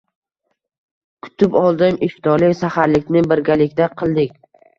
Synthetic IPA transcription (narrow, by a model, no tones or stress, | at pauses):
kʰʊ̥t̪ʰɪpɒlˠd̪ɪmɪft̪ɒlɪkʲsahaɾlɪkʲnɪbɪɾɡʲalɪkʲt̪aqʰɨlˠd̪ɪkʲ